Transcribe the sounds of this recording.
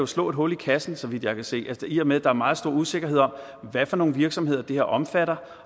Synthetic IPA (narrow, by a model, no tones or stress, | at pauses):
jo̝slɔ̰̽ːe̝d̥ɦo̝ːliikʰæsn̩sɒ̽ʋid̥jɑ̈ɪkʰæse̝̰ːæsiɐmeðˠd̥ɑ̈æɐmɑ̈ːð̞̩ˠsd̥o̝ːɐ̰use̝ɡ̥ɐɦe̝ð̞̰ˠɒ̽m̰ | ʋæfɒno̝ːn̩ʋiɐɡ̥sɒ̽me̝ð̞̰ˠɐd̥e̝heɐʔɒ̽mfæɾɐ